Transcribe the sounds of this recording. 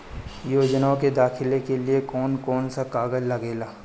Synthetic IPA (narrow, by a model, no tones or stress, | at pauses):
joːd͡ʒnaõked̪aːkʰɪlekeliekɔːnkɔːnsakaːɡəd͡ʒlɐɡeːlaː